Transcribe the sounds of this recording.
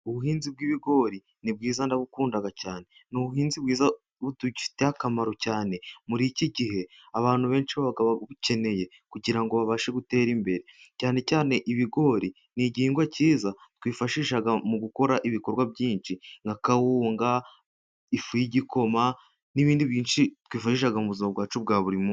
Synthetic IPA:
uβuɦiːnzib̚ɡiːβiɡo̞ːɾi | nib̚ɡiːzandaβukuːndaɡacaːne̞ | nuβuhiːnzibɡiːza | βutuɟifi̥tehakamaɾo̞caːne̞muɾiciɟihe̞ | aβaːn̥huβe̞ːnʃiβaɡaβaβuce̞ne̞je̞ | kuɟiɾaŋɡo̞βaβaʃeɡute̞ːɾimbe̞ɾe̞caːne̞caːne̞ʔiβiɡo̞ːɾi | niɟiːŋɡwaciːzatkwiːfaʃiːʃaɡamuɡuko̞ɾaʔiβiko̞ɾɡwaβjiːnʃiŋɡakawuːŋɡa | ifujiɟiko̞ma | niβiːndiβjiːnʃitkwiːfaʃiːʃaɡamuβuzimaβɡwaːt͡ʃuβɡaːβuɾimo

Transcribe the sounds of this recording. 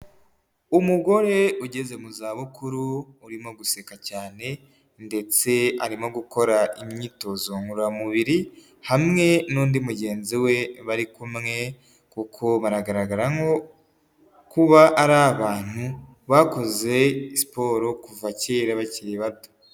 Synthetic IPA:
umuɡo̞ɾe̞uɟe̞ze̞muzaːβukʰuɾuːɾimo̞ɡusekacaːne̞ | nde̞t͡se̞aɾimo̞ɡuko̞ɾaimɲiːto̞zoŋuɾamuβiɾi | hamŋe̞nuːndimuɟe̞ːnziwe̞βaɾikumŋe̞ | kukʰo̞βaɾaɡaɾaɡaɾaŋo̞ | kuβaʔːɾaβaːn̥hu | βako̞ze̞ispo̞ɾo̞kuvaceːɾaβaciɾiβato̥

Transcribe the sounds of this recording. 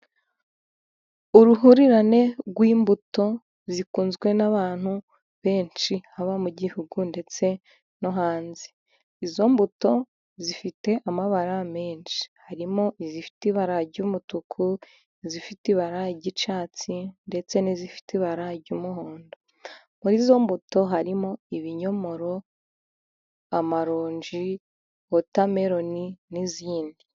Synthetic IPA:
uɾuɦuɾiɾane̞ɡwiːmbuto̞ | zikuːnzɡwe̞naβaːn̥hu | βe̞ːnt͡ʃihaβamuɟihuɡunde̞t͡se̞ | no̞ɦaːnzi̥ː | zo̞mbuto̞ | zifite̞ʔamaβaɾameːnt͡ʃi̥haɾimo̞ʔizifi̥tiβaɾaɟumutukʰu | izifitiβaɾaɟit͡ʃaːt͡sinde̞t͡se̞nizifi̥tiβaɾaɟumuɦoːndo | muɾizo̞mbuto̞ɦaɾimo̞iβiɲo̞mo̞ɾo̞ | amaɾoːɲd͡ʒi | otame̞ɾo̞niniziːndi

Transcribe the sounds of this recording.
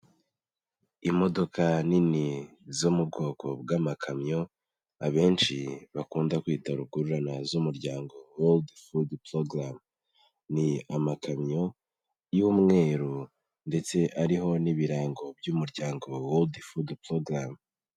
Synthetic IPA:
imo̞do̞kʰanini | zomub̚ɡo̞ːkʰo̞bɡaːmakʰamɲo̞ | aβe̞ːnt͡ʃiβakuːndakwiːtaɾuɡuɾuɾanazumuɾɟaːŋɡo̞woldfudploɡɾam | niamakamɲo̞ | jumŋe̞ːɾu | nde̞t͡se̞ʔaɾiɦo̞niβiɾaːŋɡo̞bɟuːmuɾɟaːŋɡo̞woldfudploɡɾam

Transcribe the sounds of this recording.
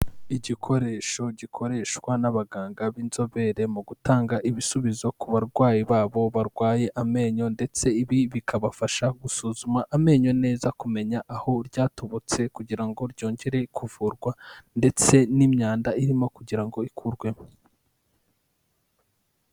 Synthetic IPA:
iɟikʰo̞ɾe̞ːʃo̞ɟikʰo̞ɾe̞ːʃkwanaβaɡaːŋɡaβiːnzo̞βe̞ɾe̞muɡutaːŋɡaʔiβisuβizo̞kuβaɾɡwaːjiβaːβo̞βaɾɡwaːje̞ʔame̞ːɲo̞nde̞t͡se̞iβiβikʰaβafaʃaɡusuːzumaʔame̞ːɲo̞ne̞ːzakume̞ɲaʔaho̞ɾɟaːto̞βot͡se̞kuɟiɾaŋɡo̞ɾɟo̞ːɲɟe̞ɾe̞kʰuvuːɾɡwande̞t͡se̞nimɲaːndaiɾimo̞kuɟiɾaŋɡo̞ikʰuɾɡwe̞mo

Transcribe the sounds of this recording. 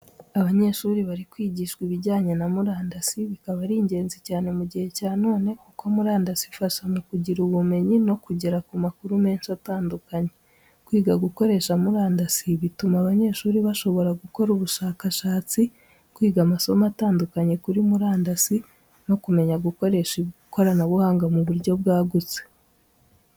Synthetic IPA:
aβaɲe̞ʃuːɾiβaɾikwiːɟiːʃkwiβiɟaːɲe̞namuɾaːndasiβikaβaɾiːɲɟe̞ːnzicaːne̞muɟihe̞caːno̞ːne̞kukoamuɾaːndasifaʃamukuɟiɾuβume̞ɲino̞kuɟeɾakumakuɾume̞ːnʃiataːndukaɲe̞ | kwiːɡaɡuko̞ɾe̞ʃamuɾaːndasiβitumaβaɲe̞ːʃuːɾiβaʃo̞βo̞ɾaɡuko̞ɾuβuʃaːkaʃaːt͡si | kwiːɡamaso̞mataːndukaɲe̞kuɾimuɾaːndasi | no̞kume̞ɲaɡuko̞ɾe̞ʃiuko̞ɾanaβuhaːŋɡamuβuɾɟo̞bɡaːɡut͡se̥

